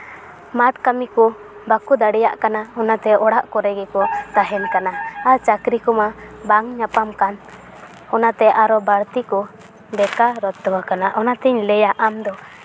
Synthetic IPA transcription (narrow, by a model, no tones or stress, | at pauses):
mat̪kamikɔ | bakud̪aɽɛja̰ʔkanaɔnat̪ɛɔɽaʔkɔɾɛɡɛkɔt̪aɦɛnkanaːɾt͡ʃakɾikɔmabaŋɲapamkan | ɔnat̪ɛʔaɾɔbaɾt̪ikɔ | bɛkaɾɔt̪ːɔwakanaʔɔnat̪ɛɲlɛjaʔamd̪ɔ